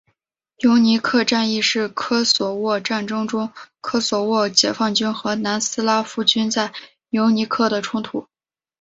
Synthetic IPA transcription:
jo˧˥ʊni˧˥kʰɤ˥˧ʈ͡ʂa˥˧ni˥˧ʂɻ̩˥˩kʰɤ˥swɔ˨˩wɔ˥˧ʈ͡ʂa˥˩nʈ͡ʂɤ˥ŋʈ͡ʂʊ˥ŋkʰɤ˥swɔ˨˩wɔ˥˩t͡ɕjɛ˨˩fɑ˥˩ŋt͡ɕy˥nxɤ˧˥na˧˥nsɹ̩˥la˥fu˥˩t͡ɕy˥nt͡sa˥˩ɪ | jo˧˥ʊni˧˥kʰɤ˥˩d̪ə˩ʈ͡ʂʰʊ˥ŋt̪ʰu˨˩˦

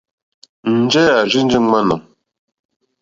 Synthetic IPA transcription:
n̩˨d͡ʒɛ˦a˨ʒi˦n˦d͡ʒi˦ŋa˦na˨ŋ

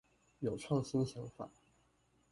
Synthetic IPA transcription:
jo˨˩ʊʈ͡ʂʰwɑ˥˩ŋɕi˥nɕjɑ˧˥ŋfa̰˨˩˦

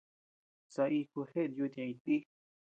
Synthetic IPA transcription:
sa˧i˧ku˧he˦ʔnd̪ju˧t̪ã˧ĩ˧t̪i˦

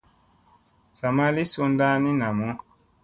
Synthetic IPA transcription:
sa˨ma˦li˦su˧nda˦nĩ˦na˨mũ˨˦

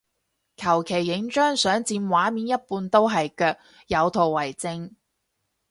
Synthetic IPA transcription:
kʰɐ˨˩wkʰe˨˩jːɪ˨˥ŋt͡ʃœː˥ŋsœː˨˥ŋt͡siː˧nwaː˨˥miː˨˥njɐ˥t̚puː˧nt̪o˥wɦɐ˨jkœː˧k̚ | jɐ˨˧wt̪ʰo˨wːɐ˨˩jt͡sɪ˧ŋ

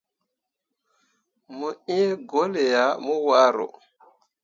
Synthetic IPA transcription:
mu˨i˦ɡo˦le˨ja˨mu˦wa˦ɾo̰˨

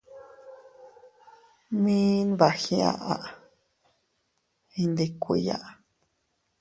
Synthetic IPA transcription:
mĩ˦n˦βa˨xĩ˧˦a̰˨ʔa˧ʔ | ĩ˧nd̪e˧kʷi˨˧˦ja̰˦˨ʔ

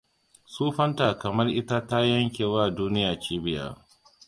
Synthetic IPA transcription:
suː˦ɸɐ˦ntaː˨kɐ˨mɐ˦rʔɪ˦ta˦ta˦jɐ˦ŋkʲeː˨waː˦˨duː˦nɪ˦jaː˨t͡ʃiː˦bɪ˦ja̰˦˨

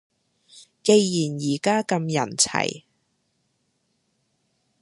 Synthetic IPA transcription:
ke˧jːiː˨˩njiː˨˩kaː˥kɐ˧mjɐ̰˨˩nt͡sʰɐ̰˨˩j

